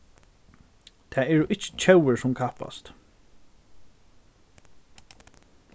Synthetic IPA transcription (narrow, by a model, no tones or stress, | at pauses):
t̪ʰɛːɛɹʊʔɪt͡ʃə̥t͡ʃʰɛwəɹsʊmkʰahpa̰st̪